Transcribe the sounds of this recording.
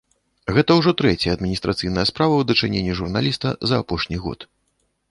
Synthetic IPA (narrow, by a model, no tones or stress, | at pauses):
ɣɛt̪ɐwʐɔt̪ɾɛt͡sʲjɐɐd̪mʲinʲist̪ɾat̪sɨjnɐjɐspɾavɐwd̪ɐt͡ʂɨnʲenʲːiʐurnalʲist̪ɐ̰zɐːpɔʂnʲiɣɔ̰t̪